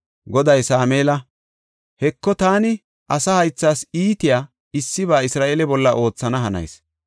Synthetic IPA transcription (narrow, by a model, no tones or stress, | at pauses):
ɡɔd̪ɐjsaːmeːlɐ | hɛkːɔt̪aːnɪ | ʔɐsɐhɐjt͡sːaːsiːt̪ɪjaː | ɪsːɪβaːɪsɾaːʔeːlɛbɔlːɐʔo̞ːt͡sːɐnɐɦɐnɐ̰js